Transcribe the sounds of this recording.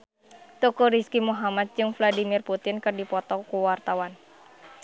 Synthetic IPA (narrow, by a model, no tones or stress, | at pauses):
t̪ɔkuɾiskimuɦamat̪̚d͡ʒɨŋfladimirput̪ɪnkɨrdipɔt̪ɔkuwart̪awan